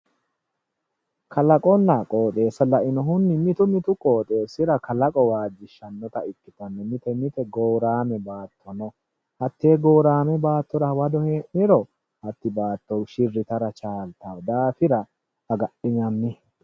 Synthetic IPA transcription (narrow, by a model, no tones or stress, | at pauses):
kɐlɐkʼɔnːakʼoːt̪ʼe̞ːsɐlɐʔɪnɔɦʊnːɪmɪt̪ʊmɪt̪ʊkʼo̞ːt̪ʼe̞ːsɪɾɐkɐlɐkʼɔwaːd͡ʒːɪʃɐnːɔt̪ɐɪkːɪt̪ɐnːɛmɪt̪ɛmɪt̪ɛɡoːɾaːmɛbaːt̪ʰːɔnɔ | hɐt̪ːeːɡo̞ːɾaːmɛbaːt̪ːɔɾɐwɐd̪ɔheːmɪɾɔ | hɐt̪ːɪbaːt̪ːɔwʃɪrːɪt̪ɐɾɐt͡ʃaːlt̪awd̪aːfɪɾɐ | hɐɡɐɗɪɲɐmːɪ